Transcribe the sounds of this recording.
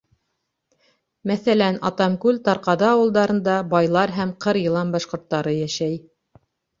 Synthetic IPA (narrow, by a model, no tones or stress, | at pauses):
mæθælænɑt̪ɑmkʉlt̪ɑɾqɑðɤɑwɤ̆lˠd̪ɑɾɤ̆nd̪ɑbɑjlˠɑɾɦæmqɤɾjɤ̆lˠɑmbɑʃqŏɾt̪ːɑɾɤjæʃæj